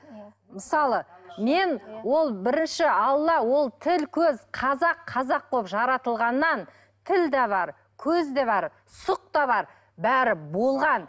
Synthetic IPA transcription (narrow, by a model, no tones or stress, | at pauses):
məsɑlˠəme̞nwo̞lˠbɪɾɪnʃɪɑlˠːɑwo̞lˠt̪ʰɪlkʲʰɵzqʰɑzɑqʰɑzɑqʰːopʒɑɾɑt̪əlˠʁɑnːɑn | t̪ʰɪld̪ɑβɑɾ | kʲʰɵzd̪eβɑɾ | sʊq̚t̪ɑβɑɾ | bæɾɪbo̞lˠʁɑn